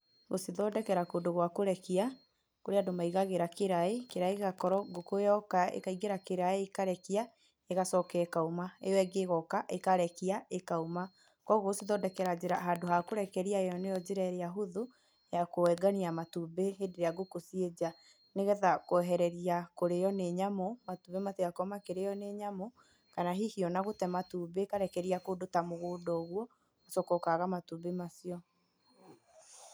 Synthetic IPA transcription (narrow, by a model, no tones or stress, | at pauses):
ɣosiðɔdɛkɛɾakoːdoɣwakoɾɛkia | koɾeadomaiɣaɣeɾakeɾaekeɾaeɣakɔɾɔɡokojɔkaḛkaiɣeɾakeɾaeːkaɾɛkia | eɣasɔkɛɛkaumaḛjɔɛɡeɣɔkaʔekaɾɛkiaekaoma | kɔɣoɣosiðɔdɛkɛɾad͡ʑeɾaɦandoɦakoɾɛkɛɾiaejɔnejɔd͡ʑeɾaeɾejaɦoðu | jakowɛɡaniamatubeɦendeɾeaɡokosied͡ʑa | neɣɛðakwɛɦɛɾɛɾiakoɾejɔneɲamomatubemaseakɔmakeɾejɔneɲamo | kanaɦihiɔnaɣotɛmatubekaɾɛkɛɾiakodotamoɣoːdɔːɣwɔ | asɔkɔkaɣamatubemasiɔ